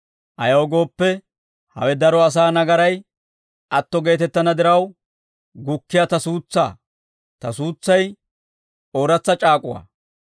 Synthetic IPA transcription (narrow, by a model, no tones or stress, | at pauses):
ʔɐjɐːɡo̞ːpːɛ | hɐ̰wɛd̪ɐɾɔɐs̬aːnɐɡɐɾɐj | ʔɐt̪ːɔɡe̞ːt̪ɛt̪ːɐnɐd̪ɪɾɐw | ɡʊkːɪjat̪ɐsuːt͡sːa̰ː | t̪ɐsuːt͡sːɐj | oːɾɐt͡sːɐt͡ʃʼaːkʼʊwa̰ː